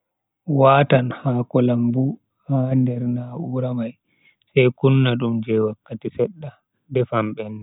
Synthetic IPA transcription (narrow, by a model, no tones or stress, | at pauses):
waːtanhaːkɔlambu | handɛɾnaʔuɾamaj | sajkunːaɗumd͡ʒɛwakːatisɛɗːa | dɛfamɓɛnːɛ